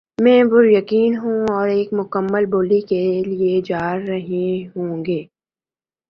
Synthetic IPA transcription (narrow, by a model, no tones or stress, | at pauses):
mɛ̃ːbʊɾjɐkiːnɦũɔːɾeːkmʊkəmːəlboːlikelied͡ʒaːɾːɐɦẽɦõːŋɡeː